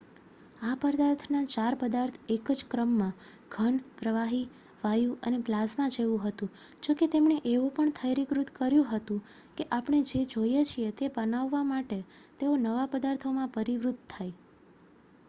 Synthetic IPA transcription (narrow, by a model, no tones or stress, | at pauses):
apəɾd̪aɾt̪ʰnat͡ʃaɾpəd̪aɾt̪ʰekəd͡ʒkɾəmːã | ɡ̥ʱəɳpɾəʋaɦi | ʋajũəneplasmãd͡ʒeʋũɦət̪ũ | d͡ʒoket̪emɳeʔeʋũpəɳt̪ʰəjɾikɾut̪kəɾjũɦət̪ũ | keʔapəɳ̃ed͡ʒed͡ʒojet͡ʃʰiet̪ebənaʋːamaʈet̪eonəʋapəd̪aɾt̪ʰomãpəɾiʋɾut̪̚t̪ʰːaj